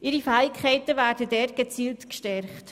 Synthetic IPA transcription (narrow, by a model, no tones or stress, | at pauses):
ʔɪɾifæːɪkʰχɛɪtəʋæːɾdədɛɾɡ̥et͡siːltkʃtɛɾχt